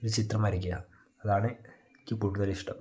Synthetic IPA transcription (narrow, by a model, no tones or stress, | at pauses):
oɾut͡ɕit̪rɐmɐɾik̬ʲːijɐ | ɐðaːɳɨ | kʲːipːuɽunɐliʂʈɐm